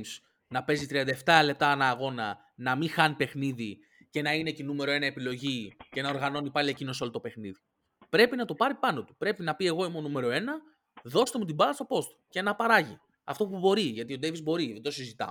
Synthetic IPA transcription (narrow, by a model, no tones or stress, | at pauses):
ms | nɐpe̞zit̪ɾiɐnd̪ɐeft̪ɐle̞p̚t̪ɐɐnɐːɣo̞nɐ | nɐmixɐnipe̞xniði | ce̞nɐinecinume̞ɾo̞e̞nɐe̞pilo̞ʝice̞nɐo̞ɾɣɐno̞nipɐlie̞cino̞so̞lot̪o̞pe̞xniði | pɾe̞pinɐt̪o̞pɐɾipɐno̞t̪u̥pɾe̞pinɐpie̞ɣo̞imonume̞ɾo̞e̞nɐ | ðo̞st̪e̞mut̪̬ibɐɣɐst̪o̞po̞st̪ce̞nɐpɐɾɐʝi | ɐ̰ft̪o̞pubo̞ɾiʝɐt̪io̞d̪e̞vizbo̞ɾiðed̪osizit̪ɐ̰